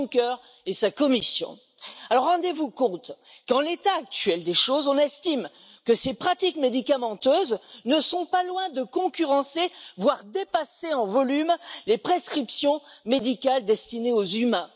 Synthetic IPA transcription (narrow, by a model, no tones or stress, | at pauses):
kœʁ | esakɔmisjɔ̰̃ | alɔʁːɑ̃d̪evukɔ̃t̪kɑ̃let̪aːk̚t̪ɥɛld̪eʃozɔ̃nɛst̪im | kəsepχat̪ikmed̪ikamɑ̃t̪øznəsɔ̃palwɛ̃d̪əkɔ̃kʲyʁɑ̃sevwaʁd̪epaseɑ̃vɔlymlepχeskχipsjɔ̃med̪ikald̪ɛst̪ineozymɛ̃